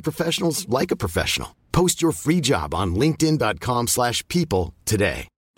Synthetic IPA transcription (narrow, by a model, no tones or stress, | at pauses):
pʰɹ̥ɨfɛʃn̩l̩ˠzlaɪkəpʰɹ̥ɨfɛ̰ʃə̰nl̩ˠ | pʰoʊst͡ʃə˞fɹid͡ʒɑ̰b̃n̩lɪ̃ŋk̚tɨ̃ndɑt̚kʰɑ̃mslæʃpʰipl̩ˠtʰɨdḛɪ